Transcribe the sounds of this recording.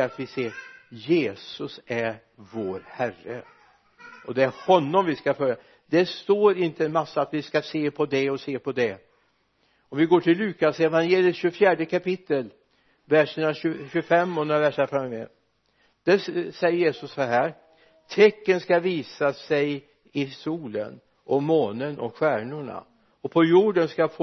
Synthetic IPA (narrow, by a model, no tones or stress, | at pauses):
at̪vɪseːɾjeːsɵsæɾ | voːɾhærːə̰ | ʔɔd̪ɛæɾhɔnːɔmvɪskafœɾja | d̪̥ɛst̪oːɾɪnt̪əənmasːaat̪vɪskaseːpʰɔd̪ɛɔseːpʰɔd̪ɛ | ɔmvɪɡoːʈʰɪlːʉ̟ːkasɛvanjeːlɪjət̪ɕɵfjæːɖəkʰapɪt̪ːəl | væʂənaɕʉɕʉfɛmːɔnd̪ɾavæʂafɾamːœmɛ̰ː | d̪̥ɛsɛjːəɾjeːsɵsːɔɦæːɾ | t̪ʰɛkːənskaviːsasɛj | ɪsuːlə̰n | ʔɔmːoːnənʔɔ̰ɧæːɳʊɳa̰ | ɔpʰɔjuːɖənskaf